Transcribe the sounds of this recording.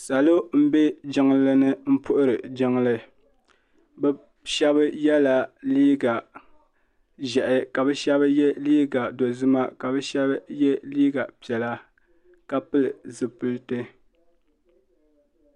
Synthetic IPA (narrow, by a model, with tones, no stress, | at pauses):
sa˨lo˦m̩˦be˦d͡ʒɪ˦ŋlɨ˦nɨ˦m̩˦pʊ˦ʔʊ˦ɾɨ˨d͡ʒɪ˦ŋlɨ˦ | bɛ˦ | ʃɛ˦βɨ˦jɛ˦la˨liː˦ɡa˨ | ʒɛ˨ʔɪ˨ka˨bɛ˦ʃɛ˦βɨ˦jɛ˦liː˦ɡa˨do˨zɨ˦ma˦ka˨bɛ˦ʃɛ˦bɨ˦jɛ˦liː˦ɡa˨pi˨ɛ˨la˦ | ka˦pɨ˦lɨ˨zɨ˨pɨ˦lɨ˦tɨ˦